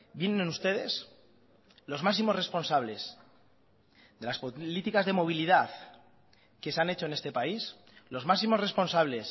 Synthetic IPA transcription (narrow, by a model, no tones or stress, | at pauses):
bje̞ne̞nenust̪e̞ðe̞s | lo̞zmaksimo̞sre̞spo̞nsaβ̞le̞s | ðe̞laspolit̪ikazðe̞mo̞β̞iliðaθ | ke̞seane̞t͡ʃo̞ene̞st̪e̞pais | lo̞zmaksimo̞sre̞spo̞nsaβle̞s